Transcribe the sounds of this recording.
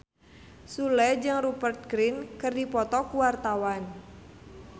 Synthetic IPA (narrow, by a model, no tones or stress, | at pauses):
sulɛd͡ʒɨŋrupərt̪̚ɡɾinkɨrdipɔt̪ɔkuwart̪awan